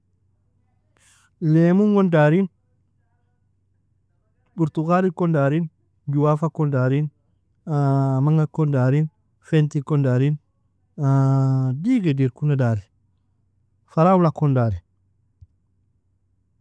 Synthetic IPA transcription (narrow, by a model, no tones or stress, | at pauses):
lemuŋɡondaːɾin | buɾtukaɾikondaɾin | ɟuwafakondaɾin | amaŋɡakondaɾin | fentikondaɾin | adiɡediɾkunadaːɾi | faɾawulakondaɾin